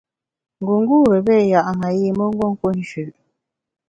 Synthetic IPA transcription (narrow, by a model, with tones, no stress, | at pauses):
ŋ˨ɡu˨ŋ˦ɡuː˦ɾə˨be˦˨ja˨ʔŋa˨ji˦˨mə˦ŋ̩˦ɡwo˦ŋ˦ko˦n̩˨ʃʉ˨ʔ